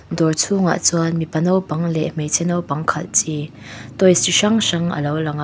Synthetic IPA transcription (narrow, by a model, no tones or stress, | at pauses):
dɔɹt͡sʰuŋa̰ʔt͡sualmipɐnɔwpɐŋlɛʔm̥ejt͡sʰɛnɔwpɐŋkʰɐt̚t͡si | t̪ɔjsiʂɐŋʂɐŋə̰lowlɐŋa